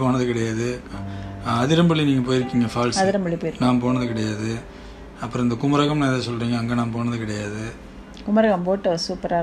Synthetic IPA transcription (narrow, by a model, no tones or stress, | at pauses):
poːnɐðɯkɪɽɐjaːðɯ | ɐðɪɾɐmbɐɭiniːŋɡɐp̬oːjɪɾɯkːiːŋɡɐfaːlsɐðɪɾɐmbɐɭipoːjɪɾnaːmpoːnɐðɯkɪɽɐjaːðɯ | ɐpːɯɾɔ̃ɪnd̪ɐkʊmɐɾɐɣɐmnɐɛðɐsɔlːɾiːŋɡɐːŋɡɐnaːmpoːnɐðɯkɪɽɐjaːðɯ | kʊmɐɾɐɣɐmpoːʈːɐsuːpɐɾa